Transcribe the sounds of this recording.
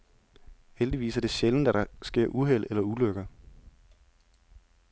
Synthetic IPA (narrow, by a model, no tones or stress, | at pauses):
held̥iʋḭːsɐd̥e̝ɕeln̩d̥æɾɑ̈sɡ̥e̝ɐ̰ʔuɦel̰elɐuløɡ̥ɐ